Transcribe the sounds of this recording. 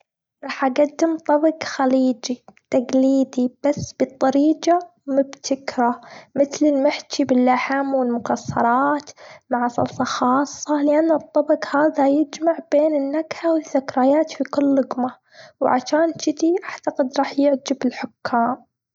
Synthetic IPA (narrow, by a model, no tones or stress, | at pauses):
ɾˤɑːħʔaɡad̪ːɪmt̪ˤɑbɑɡxaliːd͡ʒit̪aɡliːd̪ib̥asːb̥ɨt̪ˤːɑɾiːɡamʊbt̪ʰɪkɾamɪθlɪlmɪħt͡ʃibɪlːaħamwɪlmʊkasːɑ̰ɾˤɑːt̪maʕsˤɑ̰lsˤɑxɑːsˤːɑlɪʔanːat̪ˤːɑbɑqhaːðajɪd͡ʒmaʕb̥eːnɪnːaɡħawɪðːakɾˤajaːt̪fikʊlːʊɡma | wʕa̰ʃaːnʃɪt̪iʔaʕt̪aqɪd̪ɾˤɑːħjɪʕd͡ʒɪbɪlħʊkʰːaːm